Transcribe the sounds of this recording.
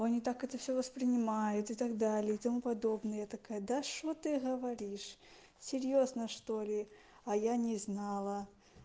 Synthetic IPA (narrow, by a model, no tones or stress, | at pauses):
ɐnʲit̪akɛt̪əfsʲovəspɾʲɪnʲɪmajʊt̪ɪt̪aɡd̪alʲɪit̪amupad̪obnəjəjat̪akajəd̪aʂot̪ɨɣəvaɾʲiʂ | sʲɪrʲjoznəʂt̪olʲɪ | ɐjanʲɪznalˠə